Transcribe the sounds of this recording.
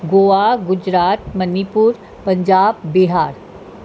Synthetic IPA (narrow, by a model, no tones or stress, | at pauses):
ɡoːaɡʊd͡ʒɾaːt̪mɐnipuːɾ | pɐ̃ɲd͡ʒaːbbɪɦaːɾ